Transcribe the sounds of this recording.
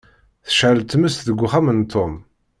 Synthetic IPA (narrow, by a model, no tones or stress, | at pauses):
θə̥ʃʕəlt̪ːməst̪ðəɡʷːʊχæmənt̪ʰːom